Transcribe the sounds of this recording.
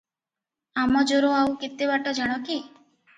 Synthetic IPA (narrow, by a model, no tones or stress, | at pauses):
amɔd͡ʒoɾoawkit̪ːeβaʈɔd͡ʒaɽ̃ɔki